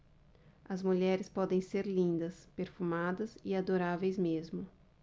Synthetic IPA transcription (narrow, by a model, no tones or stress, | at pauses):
ɐzmuʎɛɾɪspɔd̪ẽj̃seɾlĩnd̪ɐspeɾfumad̪ɐzɪad̪oɾavejzmezmʊ